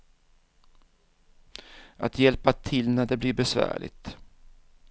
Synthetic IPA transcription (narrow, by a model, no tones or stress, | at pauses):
a̰t̪jɛlpat̪ʰɪlnæɖɛblɪɾbɛsvæ̰ːɭɪ̰t̪